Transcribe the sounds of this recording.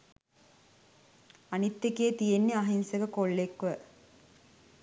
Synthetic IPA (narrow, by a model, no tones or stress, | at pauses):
ɐnit̪ːekeːt̪ijenːiɐɦinsɐkɐkoɭːekʋɐ